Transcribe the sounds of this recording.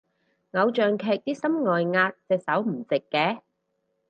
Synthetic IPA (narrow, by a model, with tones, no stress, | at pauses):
ŋɐ˨˧wt͡ʃœː˨ŋkʰɛː˨˧k̚t̪iː˥sɐ˥mŋɔː˨jŋaː˧t̚sɛː˨˧k̚sɐ˨˥wm̩˨˩t͡sɪ˨kːɛː˨˧